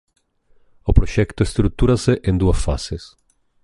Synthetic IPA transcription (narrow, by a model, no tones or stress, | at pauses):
opɾoʃɛkt̪oest̪ɾut̪uɾaseʔẽnd̪uɐsfa̰ses